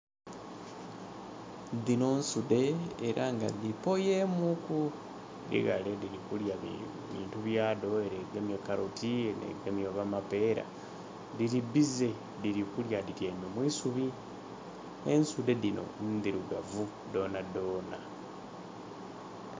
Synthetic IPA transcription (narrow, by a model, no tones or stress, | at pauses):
dino̞nsude̞ːɾʔaŋɡa̰d̪ipo̞jemuku | dḭɣa̰lediɾikulja | βḭːntuβjaːdo̞eɾeɡemjekaɾotʰienḛɡemjoβamape̞ːɾa̰ | diɾibize̞ | diɾikuljadiɾjemomwisuβi | ensude̞dino̞̰nd̪iɾuɡavu | d̪o̞ːnado̞ːna